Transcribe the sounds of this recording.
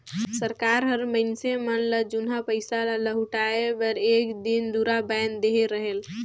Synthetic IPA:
səɾkaːɾɦəɾməɪnsemənləd͡ʒʊnɦapəɪsalləɦʊʈaebəɾeːkd̪ind̪uɾabɛːnd̪eɦeɾəɦel

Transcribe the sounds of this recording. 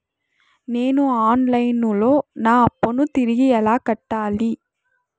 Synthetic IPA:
neːnuaːnlɐjnuloːnaːɐpːonũt̪ɪɾɪɣɪjɐlaːkɐʈːaːli

